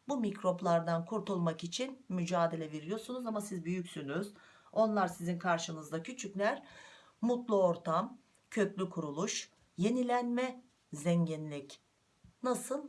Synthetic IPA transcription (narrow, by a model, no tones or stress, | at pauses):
bumicɾo̞plˠaɾd̪ankʰuɾt̪ʰulˠmakit͡ʃʰinmyd͡ʒaːd̪e̞lʲɛve̞ɾijo̞sunuzamasizbyjycsynyz | o̞nlˠaɾsizinkʰaɾʃɯnɯzd̪acʰyt͡ʃʰyclʲæɾ̥ | mut̪lˠuo̞ɾt̪ʰam | cʰø̞clʲykʰuɾulˠuʃ | je̞nilʲænmɛ | zɛɲɟinlʲic | nasɯlˠ